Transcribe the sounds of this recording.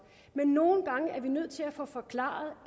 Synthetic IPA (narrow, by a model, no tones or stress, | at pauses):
menːo̝ːn̩ɡ̥ɑ̈ŋəæɐʋinøð̞̰ˠt͡sʰe̝læfɔ̽fɒ̽kʰlɑ̰̈ːð̩ˠ